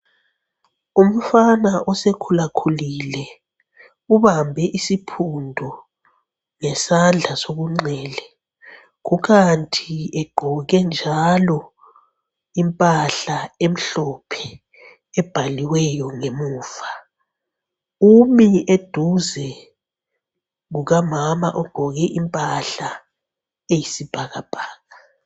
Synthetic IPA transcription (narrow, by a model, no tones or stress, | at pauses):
um̩fanaʔɔsekʰulakʰulilɛ | uβambʱɛʔisipʰundʱɔ | ŋɛsand͡ɮʱasoɣuŋ͡ǀɛːlɛ | ɣuɣantʰiɛɡ͡ǃʱɔɣɛnd͡ʒʱalɔ | impʼaɬaem̩ɬɔpʰɛ̥ | ɛb̥ʱaliwɛjɔŋemuːfa | umied̥ʱuzɛ | ɣuɣamamaʔɔɡ͡ǃ̥ʱɔɣɛʔimpʼaɬa | ejisib̥ʱaɣab̥ʱaːɣa